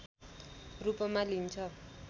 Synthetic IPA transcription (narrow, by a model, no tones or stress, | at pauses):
rupʌmalint͡sʰʌ